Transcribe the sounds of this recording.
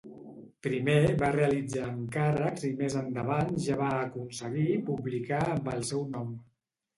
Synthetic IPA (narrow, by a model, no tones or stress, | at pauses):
pɾimeβareəlid͡zaːŋkarəkzimezənd̪əβanʒaβaəkunsəɣipuβlikaəmbəlˠsɛwnɔm